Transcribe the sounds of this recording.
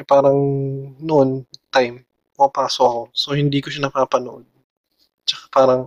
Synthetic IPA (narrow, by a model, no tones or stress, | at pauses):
paːɾɐŋnoʔont̪ajm | pʊmɐpaːsoʔɐko̞so̞hɪnd̪iːkoʃanɐpaːpɐnoʔod̪̚ | t͡ʃɐkḁpaːɾɐŋ